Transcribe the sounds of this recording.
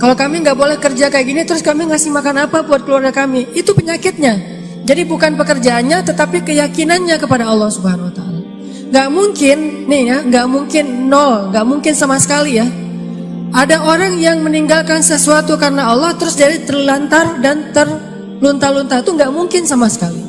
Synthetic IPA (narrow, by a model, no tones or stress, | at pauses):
kalawkamiŋɡaʔbolɛhkərd͡ʒakajɡinit̪əɾʊskamiŋasɪhmakanapabuat̪̚kəluarɡakamiit̪upəɲakɪt̪̚ɲa | d͡ʒadibukanpəkərd͡ʒaːnɲat̪ət̪apikəjakinanɲakəpadaɑlːɑhsubahanwat̪aala | ŋɡaʔmuŋkɪnːihjaŋɡaʔmuŋkɪnːɔlŋɡaʔmuŋkɪnsamasə̥kalija | ʔadaoɾaŋjaŋməniŋɡalkansəsuat̪ukaɾənaɑlːɔht̪əɾʊsd͡ʒadit̪ərlant̪ardant̪ər | lunt̪alunt̪at̪uŋɡaʔmuŋkɪnsamasə̥kali